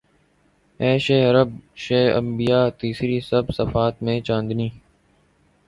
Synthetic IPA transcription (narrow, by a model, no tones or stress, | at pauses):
ɛːʃeːəɾəb̚ʃeːə̰mbɪjaːt̪iːsɾiːsəbsəfaːt̪̚mẽːt͡ʃãːnd̪niː